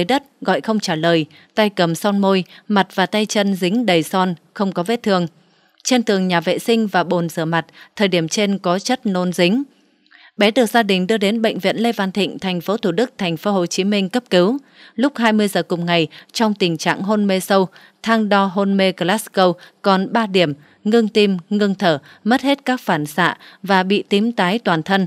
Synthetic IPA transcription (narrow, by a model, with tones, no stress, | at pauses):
ə˨˦jɗə˦˥t̚ɣɔ̰˧˨jxə˧wŋ͡mt͡ɕaː˧˩ləː˨˩j | t̪a˧jkə˨˩msɔ˧nmo˧jma˨˩t̚vaː˨˩t̪a˧jt͡ɕə˧nzï˨˦ŋ̟ɗə˨˩jsɔ˧nxə˧wŋ͡mkɔ˨˦vḛ˧˥t̪ʰɨ˨˩əŋ | t͡ɕe˧nt̪ɨ˨˩əŋɲaː˨˩vḛ˧˨sï˧ŋ̟vaː˨˩ɓo˨˩nzəː˧˩ma˨˩t̚t̪ʰəː˨˩jɗi˧˩əmt͡ɕe˧nkɔ˨˦t͡ɕə˦˥t̚no˧nzï˨˦ŋ̟ | ɓɛ˨˦ɗɨ˨˩ək̚zaː˧ɗï˨˩ŋ̟ɗɨ˧əɗe˨˦nɓə̰˧˨jŋ̟vḭ˧˨ənle˧vaː˧nt̪ʰḭ̈˧˨ŋ̟t̪ʰɛ˨˩jŋ̟fo˨˦t̪ʰuː˧˩ɗɨ˦˥k̚t̪ʰɛ˨˩jŋ̟fo˨˦ɦo˨˩t͡ɕi˨˦mï˧ŋ̟kə˦˥p̚ki˨˦w | lʊ˦˥k͡p̚ɦaː˧jmɨ˧əjzəː˨˩kʊ˨˩ŋ͡mŋa˨˩jt͡ɕɔ˧wŋ͡mt̪ï˨˩ŋ̟t͡ɕa̰ː˧˨ŋɦo˧nme˧sə˧w | t̪ʰaː˧ŋɗɔ˧ɦo˧nme˧ɣə˧laː˦˥skə˧wkɔ˨˩nɓaː˧ɗi˧˩əm | ŋɨ˧ŋt̪i˧mŋɨ˧əŋt̪ʰəː˧˩ | mə˦˥t̚he˦˥t̚kaː˦˥k̚faː˧˩nsa̰ː˧˨vaː˨˩ɓḭ˧˨t̪i˨˦mt̪aː˨˦jt̪waː˨˩nt̪ʰə˧n